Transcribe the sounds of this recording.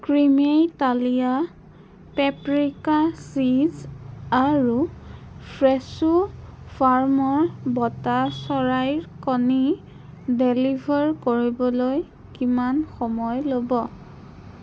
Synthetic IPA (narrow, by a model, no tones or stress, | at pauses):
kɹimejtalija | pɛpɹikasizaɹupʰɹɛsupʰaɹmɔɹbɔtasɔɹajɹkɔni | delibʱɔɹkoɹibɔloj | kimanxɔmɔjlobɔ